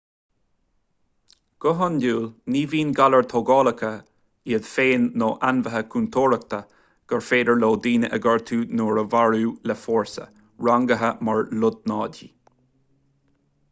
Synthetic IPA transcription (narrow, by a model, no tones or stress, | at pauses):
ɡ̥ʊɦənduːlniːviːnɡaləɹt̪ʰoːɡɑːləkʰə | iəd̪feːnːoːʔanvəɦəkʰunt̪ʰoːɹək̚t̪ʰə | ɡ̥əɹfeːd̪əɹloːd̪iːnəʔəɡəɹt̪ʰuːnoːɹəvaɹuːlɛfɔːɹsə̰ | ɹaŋɡəɦəmaɹlʊd̪̚nɑːd̪ḭː